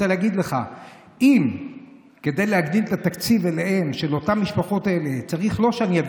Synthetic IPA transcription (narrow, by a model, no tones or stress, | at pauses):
eleaɡid̪le̞χa | im | ke̞d̪e̞jlehaɡd̪ilet̪at̪akt͡sivelehe̞mʃe̞lo̞t̪amːiʃpaχo̞t̪aele̞t͡saʁiχlo̞ʃeanijav